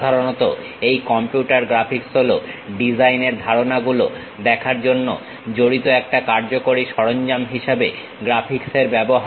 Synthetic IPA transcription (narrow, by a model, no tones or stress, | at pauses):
d̪ʱaɾonɔt̪o | ejkɔmpjuʈaɾɡɾapʰiksɦoloɖid͡ʑajneɾd̪ʱaɾonaɡulo | d̪ɛkʰaɾd͡ʑonːo̰ | d͡ʑoɽit̪oɛk̚ʈakaɾd͡ʑokoɾiʃɔɾond͡ʑamɦiʃebe | ɡɾapʰikseɾbɛboɦa